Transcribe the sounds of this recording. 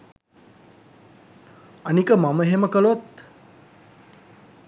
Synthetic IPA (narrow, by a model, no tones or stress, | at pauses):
ənikəmaməɦeməkəlot̪